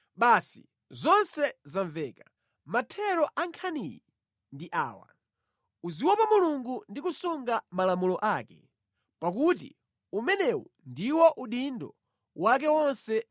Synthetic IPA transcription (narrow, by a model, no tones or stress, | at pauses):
ɓasḭ | zɔnsɛzaɱvɛːka | matʰɛɾɔʔaŋkʰaniji | ndiʔa̰ːwa̰ | uziwɔpamuluŋɡundikusuŋɡamalamulɔʔaːkɛ̰ | pak̬utḭ | umɛnɛwɔndiwɔʔuɗindɔ̰ | wak̬ɛwɔnsɛ